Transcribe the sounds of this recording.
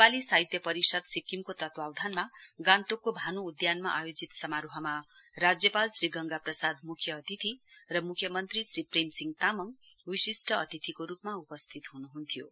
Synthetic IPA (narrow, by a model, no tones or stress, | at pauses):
nepalisaɦit̪jʌpʌɾisʌd̪sikimkot̪ʌt̪wawd̪ʱanmaɡãnt̪okːobʱanuːd̪janma̰ʔajod͡zit̪sʌmaɾuɦʌma | rad͡zjʌpalsriɡʌŋɡaprʌsad̪mukʰjʌːt̪it̪ʰirʌmukʰjʌmʌnt̪risripremsiŋt̪amʌŋ | wisisʈʰʌʌt̪it̪ʰikoɾupmaupʌst̪ʰit̪ɦunuɦunt̪ʰijo̰